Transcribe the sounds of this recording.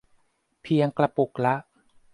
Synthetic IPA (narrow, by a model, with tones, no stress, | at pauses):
pʰi˧əŋkla˧po˨˩k̚la˦˥ʔ